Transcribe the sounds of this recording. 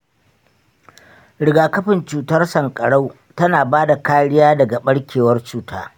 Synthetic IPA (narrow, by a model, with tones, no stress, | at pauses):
ɽɪ˨ɡaː˨kɐ˦ɸɪ˨nt͡ʃuː˨tɐ˦rsɐ˨ŋkʼɐ˨ɽa˦w | tɐ˦naː˨baː˦da˨kaː˦ɽɪ˦jaː˦dɐ˨ɡa˨ɓɐ˦ɽkʲeː˨wɐ˦rt͡ʃuː˨taː˦